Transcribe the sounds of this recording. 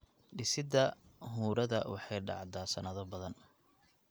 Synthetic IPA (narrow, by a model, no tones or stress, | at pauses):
ɖɪsɪd̪ɐɦuːɾɐðɐwɑħɑjɖɑ̰ʕd̪aːsɐnɐðɔbɐðɐn